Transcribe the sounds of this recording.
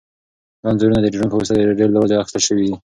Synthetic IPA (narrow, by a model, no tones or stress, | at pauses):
dɑnzuɾunad̪ədeɾunpəɾust̪ad̪əɖellːawad͡ʒeaxi̥st̪əlʃəwid̪i